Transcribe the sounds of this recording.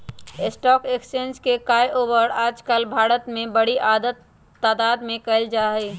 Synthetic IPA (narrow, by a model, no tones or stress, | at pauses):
ɪsʈɔːkekst͡ʃẽːnd͡ʒkekaːjʔoːʋəɾaːd͡ʒkəlbʱaːɾət̪mẽbəɽiʔaːd̪ət̪ː | aːd̪aːd̪mẽkəɪld͡ʒaːɦə